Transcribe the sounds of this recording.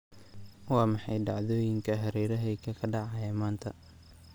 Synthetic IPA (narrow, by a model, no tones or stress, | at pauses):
wɑːmɑħɑjɖɑʕðɔːjɪŋkʰɐɦɐɾɛːɾɐɦɛjkʰɐkʰɐɖɑʕɑːjɛːmaːnt̪ʰɐ